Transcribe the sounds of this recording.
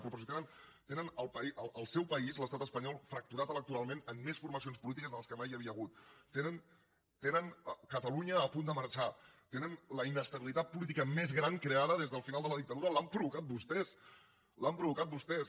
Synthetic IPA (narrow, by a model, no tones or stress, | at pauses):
pɾupɾɔsit̪enənt̪enənəlˠpəiəʔəlˠsɛwpəizləst̪at̪əspəɲɔlˠfɾək̚t̪uɾat̪ələk̚t̪uɾalˠmenəmːesfurməs̬ionspulit̪̬ikəzðələskəmajəβiəɣ̞ut̪ːenən | t̪enənəkət̪əluɲəːpund̪əməɾt͡ʃat̪enənləinəst̪əβilit̪at̪̚pulit̪̬ikəmezɣɾaŋkɾeaðəðezðəlˠfinalˠd̪ələðik̚t̪əðuɾəlampɾuβukat̪̚bust̪ɛs | lampɾuβukat̪̚bust̪ɛs